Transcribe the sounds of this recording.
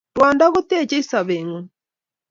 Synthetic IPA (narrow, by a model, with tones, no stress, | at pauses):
ɾwaː˨nda˦ɣo˦tɛ˦˨t͡ʃe˦i˦sa˨βeŋo˨